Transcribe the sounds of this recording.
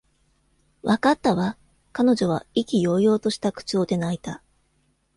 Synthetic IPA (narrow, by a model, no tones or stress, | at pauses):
βakat̪ːaβa | kano̞ʑo̞β̞aikʲijo̞ːjo̞ːt̪o̞ɕi̥t̪akɯ̟̥t͡ɕo̞ːd̪e̞nait̪a